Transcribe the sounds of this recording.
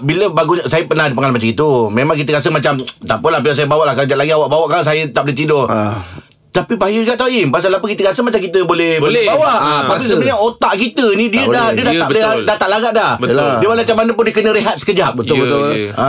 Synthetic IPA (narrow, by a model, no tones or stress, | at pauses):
biləbaɡusajəpənahdipəŋalamat͡ʃaŋit̪umẽmãŋkit̪əkas̬əmat͡ʃamt̪apəlahbilasajəbawaʔlahkad͡ʒaʔlaɡiawaʔbawaʔkas̬ajət̪aʔbolet̪ido | t̪apibajuɡaʔt̪auɪmpas̬alapəkit̪əkasəmat͡ʃamkit̪əbolɛhbolbawaʔt̪apisəbəɲaot̪aʔkit̪ənidiədahiədat̪aleadat̪aʔlaɡaʔdahdiəbalet͡ʃamanəpʊndiəkənəɾeɦat̪̚sə̥kəd͡ʒap̚bət̪lbət̪ʊl